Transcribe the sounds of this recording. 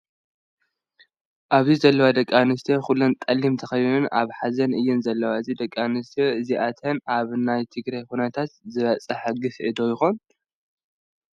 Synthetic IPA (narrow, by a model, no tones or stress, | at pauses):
ʔaβzizɐlːɐwad̪ɐkʼːanɨst̪ʰoxulont̪ʼɐlːimt̪ʰɐxɐjnɨnʔa̰βħazɐnɨjːɪnzɐlːɐwaɨzid̪ɐkʼːanɨst̪ʰeɨziʔat̪ʰɐnʔaβnajt̪ʰɨɡɾajkunɐt̪ʰat̪zɨβɐt͡sʼɐħaɡɨfʔɨd̪ojɪxon